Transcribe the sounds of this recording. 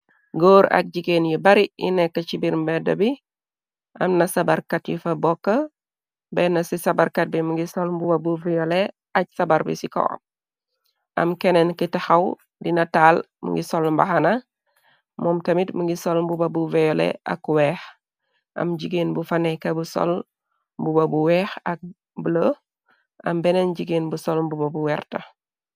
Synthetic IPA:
ɡoːɾɐ̰k̚ɟiɡeːnjibɐɾiinɛkːɐt͡ʃibiɾmbɛdɐbi | ʔɐmnɐsabɐɾkatjṵfɐbɔkːə | bɛnɐsisɐbaɾkat̚bimuŋɡisɔlmbubabuvɛjɔle | ɐc̚sɐbaɾbḭsikɔ̰p̚ | ɐ̰mkɛnɛnkitaxɐw | dinɐtaːl | mə̰ŋɡisolmbahana | momtɐmitməŋɡisolmbubabuvɛjolḛʔa̰kwɛːx | ʔɐ̰mɟiɡenbufanekɐbuso̰l | mbubabuwɛːxak̚ | bələ | ɐmbɛnenɟiɡenbusolmbubabuwɛrtɐ̰

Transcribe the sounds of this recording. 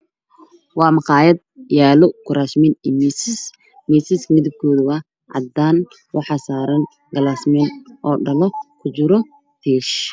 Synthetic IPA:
wɑːmɑqɑːjɐd̪jaːlɔɡʊɾaːsmɪniːmiss | miːsɪsmɪðɪb̚kʰɔːðʊɐ | ʕɑ̰d̪aːn | wɑħɑːsaːɾɐn | ɡɐlaːsmɛnʔɔːɖɐlɔkʰʊt͡ʃɪɾɔ | t̪ʰiːʃ

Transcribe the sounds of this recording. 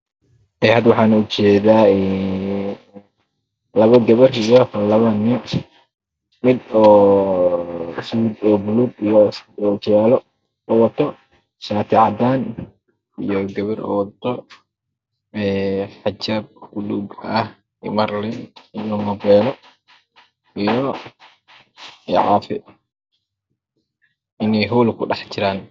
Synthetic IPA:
ɛjhaːd̪wɑħɑːnʊt͡ʃɛːðaːɛː | lɐβɐɡɐβɐrijɔlɐβɐnɪ | mɪd̪ɔː | swuːd̪ɔːbʊluːɡ̪ijɔsɔːt͡ʃɛːlɔ | ɔwɐt̪ʰɔ | ʃaːt̪ʰɪʕɑd̪aːn | ijɔɡɐβɪɾɔ̰ːwɐt̪ʰɔ | ɛːħad͡ʒaːb̚ɡuluːɡɐh | ɪmɐɾlɪnɪnɔmɐbɛːlɔ | ijɔ | ɛʕaːfɪ | ʔɪnɛjɦuːlkʰʊɗɑħt͡ʃɪɾaːn

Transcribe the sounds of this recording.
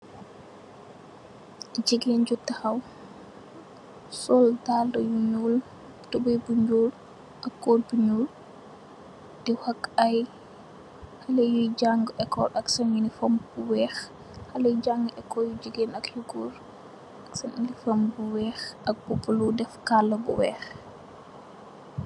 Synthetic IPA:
d͡ʒiɡend͡ʒutːɐxaw | sɔldaldɔjuɲuːl | tubujbuɲd͡ʒuːl | ʔɐkːorbuɲul | d̥iwakːaj | hɐlɛjuɟaŋɡɛkːɔɾɐksɐɲinifombuwɛːx | hɐlɐjɟaŋɡʔɛkːɔjud͡ʒiɡenɐkjuɡuɾ | ɐksɐɲinifɐmbuwɛːxʔɐk̚b̥upuludɛfkalːɐbṵwɛ̰ːx

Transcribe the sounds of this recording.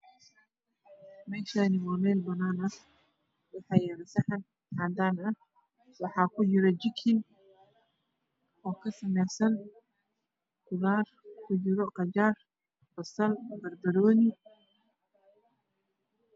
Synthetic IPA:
mɛːʃaːnɪwɑːmɛːlbɐnaːnɐh | wɑħɑːjɛɾɛsɐħɑn | kʰaːd̪aːnɐh | wɑħɑːkʰʊt͡ʃɪɾɛd͡ʒɪkʰɪn | ɔːkʰɐsɐmɛjsɐn | kʊðaːrkʰʊd͡ʒɪɾɔqɑd͡ʒaːr | b̥ɐsɐlbɐrbɐɾɔːnɪ

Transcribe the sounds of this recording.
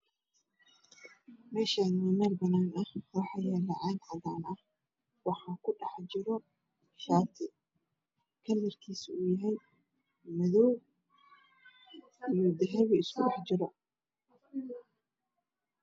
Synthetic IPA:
mɛːʃaːnmɪmɐlbɐnaːnɐhwɑħɑːjɛːlɑʕɑːɡʕɑðaːnɐh | wɑħɑːkʰʊɖɑħt͡ʃɪɾɔ | ʃaːt̪ʰɪ | kʰɐlːɪrkʰiːsujɐɦɛj | mɛðɔw | ijɔd̪ɛɦɛβɛɪskʰʊɖɑħt͡ʃɪɾɐ

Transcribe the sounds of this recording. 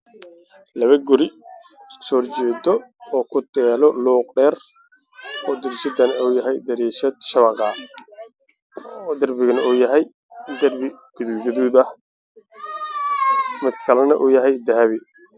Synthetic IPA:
lɐβɐɡʊɾɪ | sɔːrt͡ʃɛːd̪ɔɔːkʰʊt̪ʰɛːlɔluːqɖɛːr | ɔːd̪ɐɾiːʃɐd̪ɐnɐuːjɐɦɛjd̪ɐɾiːʃɐd̪̚ʃɐβɑqɑ | d̪ɐrbɪɣɐnɐuːjɐɦɛj | d̪ɐrbɪ | ɡ̥ʊðɪɡɐðuðɐh | mɪd̪kʰɐlɐnɐʔuːjɐɦɛjd̪ɐɦɐβɪ

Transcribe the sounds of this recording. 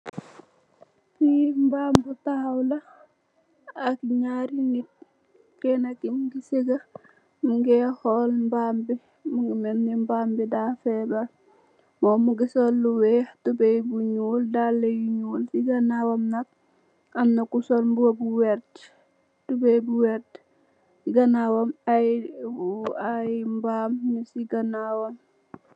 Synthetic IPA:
fimbambutawlɐ | akɲaɾinit̚ | kɛnakimɡiseɡa | muŋɡɛhɔlmbambi | muŋɡimɛnːimbaːmbidafɛbɐl | mɔːmuɡisɔlːuwɛhtubejbuɲuːldalːejuɲuːlsiɡɐnawɐmnɐk̚ | ɐmnɐkusɔlmbuwɐbuwɛɾt | tubejbuwɛt | siɡɐnawɐmaj | ajmbaːmnisiɡɐnawɐm

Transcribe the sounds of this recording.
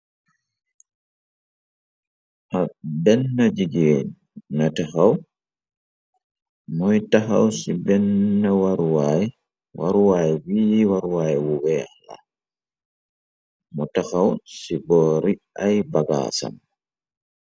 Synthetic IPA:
ʔabɛnːad͡ʒiɡeni | nataxaw | mɔjtaxawsibɛnːawaɾuwaj | wa̰ɾuwajwiːwaɾuwajwuwɛala̰ | mɔtaxawsibɔːɾiʔajbaɡa̰sa̰m

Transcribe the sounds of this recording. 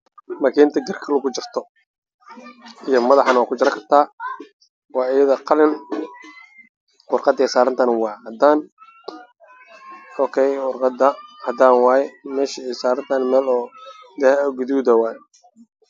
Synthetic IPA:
mɐkʰiːnt̪ʰɐɡɐrkʰɐlʊɣʊt͡ʃɪrt̪ʰɔ | ijɔmɐðɑħɑnwɑːkʰʊt͡ʃɪɾɐkʰɐrt̪ʰaː | wɑːɪjɐðɐqɑlɪn | wʊrqɑd̪ɛːsaːɾɐnt̪ʰanwɑːhɐd̪aːn | ɔːkʰɛjwʊrqɑd̪ɐhɐd̪aːnwɑːjɛmɛːʃiɛsaːɾɐnt̪ʰaːnmɛːlɔːd̪ɐhɛɡʊðuːd̪ɐwaːj

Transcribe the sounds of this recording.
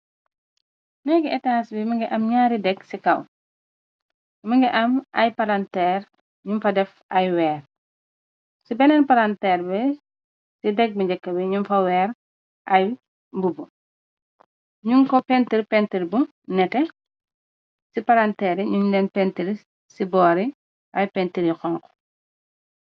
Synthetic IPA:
mɛjɡɛɛtaːsbimɐŋɡɛʔɐmɲaːɾidɛkːsikɐw | mɐŋɡɛʔɐmʔɐjpalantɛːɾ | ɲumfɐdɛf | ɐjwɛːr | sibɛnɛnpaɾantɛːɾbɛ | sidɛk̚bɐd͡ʒɐkːɐbɛɲumfɐwɛːɾ | ʔɐj | bubu | ɲuŋkɔpɛntiɾpɛntiɾbu | nɛtɛ | sipaɾantɛɾiɲuŋdɛnpɛntiɾi | sibɔːɾi | ʔɐjpɛntiɾixɔŋkɔ̥

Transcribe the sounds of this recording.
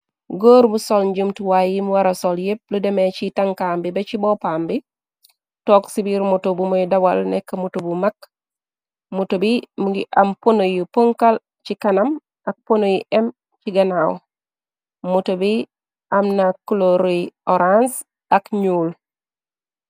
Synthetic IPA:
ɡoːɾbusolɲɟumtuwajimuwaɾasoljep̚ludemet͡ʃitaŋkambibet͡ʃibopambi | toːksibiɾmutobumojdabalnekːɐmutobumak | mutobimuɡiʔamponojupoŋkal | t͡ʃikanam | ak̚ponojiʔem | t͡ʃiɡanaw | mutobi | amnakːuloɾioɾans | akɲuːl

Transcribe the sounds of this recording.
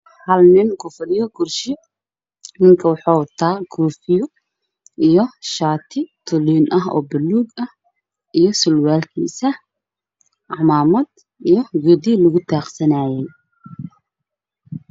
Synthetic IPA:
hɐlnɪnkʰʊfɐɾɪjɔɡʊrʃɪ | nɪŋkʰɐwɑħaːt̪ʰaːɡuːfɪjʊ | ʔijɔʃaːt̪ʰɪt̪ʰʊliːnʔɐɦɔ̰ːbɐlːuːɡɐh | ʔijɔsʊlwaːlkʰḭːsɐ | ʕɑmaːmɐd̪ | ijɔɡʊd̪ilʊɣʊt̪ʰaːqsɐnaːjɛj

